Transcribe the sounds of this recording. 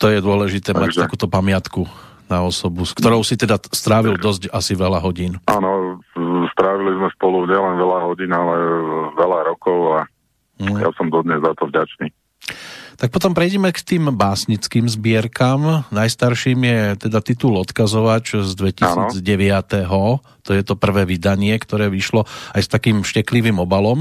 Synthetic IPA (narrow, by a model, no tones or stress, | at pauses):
t̪ɔjɛd̪ʊɔlɛʒit̪ɛːmact̪akuːt̪ɔpamɪat̪kunaɔsɔbuskt̪ɔɾɔʊsit̪ɛd̪ast̪ɾaːʋild̪ɔzɟasiʋɛlaɦɔɟiːnʔa̰nɔ | st̪ɾaʋilizmɛspɔluɲɪɛlɛnʋɛlaɦɔɟinalɛʋɛlaɾɔkɔʊa | ja̰sɔmd̪ɔd̪ɲɛzːat̪ɔvɟat͡ʃniː | t̪ak̚pɔt̪ɔmpɾɛjɟɛmɛkt̪iːmbaːsɲit͡skiːmzbɪɛɾkamnajst̪aɾʃiːmjɛt̪ɛd̪at̪it̪ulɔt̪kazɔʋat͡ʃzd̪ʋɛcianɔd͡zɟɛʋɪat̪ɛɦɔ | t̪ɔjɛt̪ɔpr̩ʋɛːʋid̪aɲɪɛkt̪ɔɾɛːʋiʃlɔajst̪akiːmʃcɛkliʋiːmɔbalɔm